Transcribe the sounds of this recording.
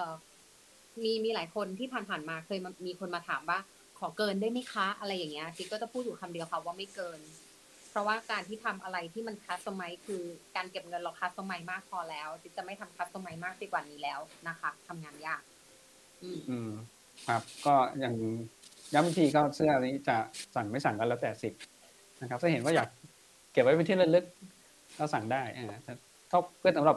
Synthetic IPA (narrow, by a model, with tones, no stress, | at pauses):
ʔɤː˨˩ | miː˧miː˧laː˩˦jkʰo˧nt̪ʰiː˥˩pʰaː˨˩npʰaː˨˩nmaː˧kʰɤː˧ja˧miː˧kʰo˧nmaː˧t̪ʰaː˩˦mwaː˥˩ | kʰɔː˩˦kɤː˧ndu˥˩jma˥˩kʰaː˦˥ʔa˧ɾa˧jːaː˨˩ŋːi˦˥ɐʔkʰi˧kɔː˥˩t͡ɕa˨˩pʰuː˥˩t̪ju˨˩kʰa˧mdi˧ɐwkʰa˧˦˩waː˥˩ma˥˩jkɤː˧n | pʰɾɔ˦˥waː˥˩kaː˧nt̪ʰiː˥˩t̪ʰa˧mʔa˧ɾa˧jt̪ʰiː˥˩ma˧nkʰa˦˥t̪̚sa˧ma˦˥jkʰɯː˧kaː˧nke˨˩p̚ŋɤ˧nlɔː˨˩kʰːa˦˥sa˧ma˧jmaː˥˩k̚pʰɔː˧lɛː˦˥wt̪ʰi˦˥t͡ɕa˨˩ma˥˩jt̪ʰa˧mkʰa˧˦˥t̪̚sa˧ma˧jmaː˥˩k̚si˧˩kwaː˨˩niː˦˥lɛː˦˥wna˦˥kʰa˦˥t̪ʰa˧mŋaː˧njaː˥˩k̚ | ʔɯː˧˩ʔɯː˧m | kʰɾa˦˥p̚kɔː˥˩jaː˨˩ŋja˦˥ba˧ŋt̪ʰiː˧kɔː˥˩sɯ˥˩ɐʔa˧niː˦˥t͡ɕa˨˩sa˨˩ŋma˥˩jsa˨˩˦ŋkːlːwt̪ɛː˨˩si˨˩p̚ | na˦˥kʰa˦˥sʰɯ˥˩ɦe˩˦waː˥˩jaː˨˩kː | e˨˩p̚wa˦˥jpe˧t̪ʰi˥˩lɯ˧lɯ˦˥k̚ː | ɔː˥˩sa˨˩ŋdaː˥˩jʔaː˨˩t̪ʰɛː˧˩ | kʰa˥˩wpʰɯ˥˩nsa˦mɾa˨˩p̚